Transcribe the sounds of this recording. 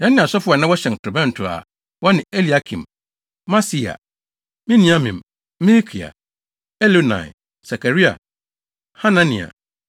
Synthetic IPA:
jɛ̃˦nɪ̃˨a˨sɔ˦fʊ˦a˨nã˦wɔ˦ɕɛ˨tʰɾʊ˨bɛ̃˦n̩˨tʰʊ˨a̰˨ | wɔ˦nɪ̃˨e˦li˨a˦kʰḭ̃˨m | mã˦si˦a̰˨ | mĩ˦nĩ˨ã˦mĩ˨m | mi˦li˦kʰi˨a̰˨ | ɛ˦lo˦nã̰˨ɛ̰˨ | sa˨kʰa˨ɾi˦a̰˨ | ha˦nã˦nḭ̃˨a̰˨

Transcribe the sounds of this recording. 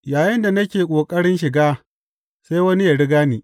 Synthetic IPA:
jaː˨jɪ˦nda˨nɐ˦kʲeː˨kʷʼoː˨kʼɐ˦ɽɪ˦nʃɪ˨ɡaː˦ | seː˦jwɐ˦ni˦ja˨ɽɪ˦ɡaː˦niː˨

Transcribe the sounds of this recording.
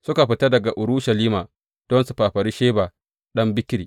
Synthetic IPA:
sʊ˦ka˨ɸɪ˨tɐ˦dɐ˨ɡa˨ʔʊ˨ɾʊ˦ʃɐ˨liː˦maː˨ | d̥ɔ˦nsu˨ɸaː˨ɸɐ˨ɾi˦ʃeː˦baː˨ | ɗɐ˦mbɪ˦kʲɪ˦ɾiː˨

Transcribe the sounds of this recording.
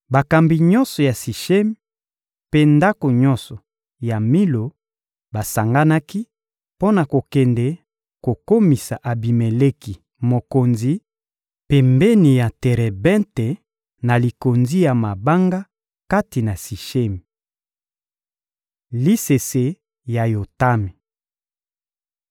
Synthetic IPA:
ba˨ka˨mbi˨ɲɔ˦nsɔ˨ja˨si˨ʃe˦mi˨ | pe˦nda˦ko˨ɲɔ˦nsɔ˨ | ja˨mi˦lo˨ | ba˨sa˨ŋɡa˦na˦ki˦ | po˦na˨ko˨kɛ˨ndɛ˨˦ | ko˨ko˦mi˨sa˨ʔa˨bi˨me˨le˦ki˨ | mo˨ko˨nzi˦ | pɛ˨mbe˦ni˨ja˨tɛ˨ʁɛ˨bɛ̃˦nte˨ | na˨li˨ko˨nzi˦ja˨ma˨ba˦ŋɡa˦ | ka˦ti˨na˨si˨ʃe˦mi˨ | li˦se˨se˨ | ja˨jo˨ta˦mi˨

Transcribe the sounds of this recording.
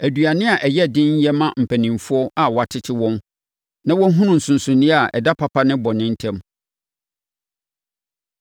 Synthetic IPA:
æ˨dɥa˨nɪ̃˦a˨ʔɛ˨jɛ˦dɪ̃˦ɲ̩˦jɛ˦mã˦m̩˨pʰæ˨nĩ˨mfʊ˦ɔ˦a˨wɔ˨a˨tʰɪ˦tʰɪ˦wɔ̃˦m | nã˦wɔ̃˦ɦʊ̃˦nʊ̃˨n̩˨sʊ̃˨n˨sʊ̃˨nĩ˦a˨ʔɛ̰˨da˦pʰa˨pʰa˦nɪ̃˦bɔ˨nɪ̃˦n̩˦tʰɛ̃˦m

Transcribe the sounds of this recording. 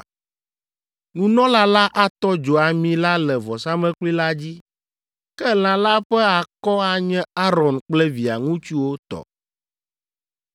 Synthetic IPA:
nũ˨nɔ̃˦la˦la˦ʔa˦t̪ɔ˦d͡ʒo˨a˨mĩ˨la˦lɛ˨vɔ˨sa˦mɛ̃˦k͡pli˦la˦d͡ʑi˦ | kɛ˦l̃ã˨la˦ɸɛ˦a˨kɔ˦a˦ɲɛ̃˦a˦ɾɔ˨nk͡plɛ˦vi˨a̰˨ŋũ˦t͡ɕu˦wo˦t̪ɔ̰˨

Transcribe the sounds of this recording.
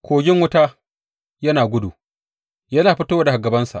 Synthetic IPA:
kʷʰoː˨ɡʲɪ˦ŋwʊ˦ta˦ | jɐ˦naː˨ɡʷʊ˦dṵ˨ | jɐ˦naː˨ɸɪ˦to˦wa˦da˨ha˨ɡɐ˨bɐ˦nsa̰˨ʔ

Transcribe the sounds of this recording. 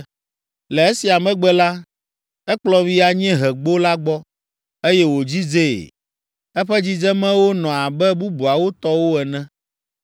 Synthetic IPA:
lɛ˨e˦si˨a˨mɛ̃˦ɡ͡bɛ˦la˦ | ɛ˦k͡plɔ˦vi˦a˨ɲɛ̃˦ɦɛ˨ɡ͡bo˦la˦ɡ͡bɔ˦ | e˦jɛ˦wo˨d͡ʑi˦d͡zḛ˦˨ | ɛ˦ɸɛ˦d͡ʑi˦d͡ʒɛ˦mɛ̃˦wo˦nɔ̃˨a˨bɛ˦bu˦bu˨a˨wo˦t̪ɔ˦wo˦ɛ˨nɛ̃˦

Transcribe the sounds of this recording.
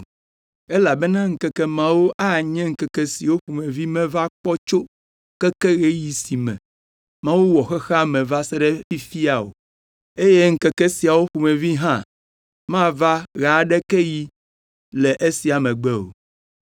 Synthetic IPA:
e˦la˨bɛ˦nã˦ŋ̩˨kɛ˦kɛ˦mã˦wo˦ʔa˦ɲɛ̃˦ŋ̩˦kɛ˦kɛ˦si˨wo˦ɸu˨mɛ̃˨vi˦mɛ̃˦va˦k͡pɔ˦t͡ʃo˦ | kɛ˦kɛ˦ɣe˦ji˨si˨mɛ̰̃˨ | mã˦wu˦wɔ˨xɛ˦xa˦mɛ̃˨va˦se˦ɖɛ˦fi˦fi˦a˨wo̰˨ | e˦je˦ŋ̩˦kɛ˦kɛ˦si˨a˨wo˦ɸu˨mɛ̃˨vi˦ɦã˦ | mã˦va˦ɣa˨ɖɛ˦kɛ˦ji˦ | lɛ˨ʔe˦si˨a˨mɛ̃˨ɡ͡bɛ˦o̰˨

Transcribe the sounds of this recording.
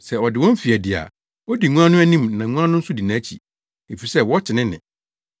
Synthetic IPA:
sɛ˨ɔ˨dɪ˨wɔ̃˦m̩˦fi˨æ˨dɪ˨a̰˨ | ɔ˦di˨ŋũ˦ã˦nʊ̃˦æ˦nĩ˦˨mnã˨ŋũ˦a˦nʊ̃˦n̩˦sʊ˦di˨nãː˨˦t͡ɕʰi˨ | e˨fi˨i˨sɛ˦wɔ˦t͡ɕʰɪ˨nɪ̃˦nɪ̰̃˨

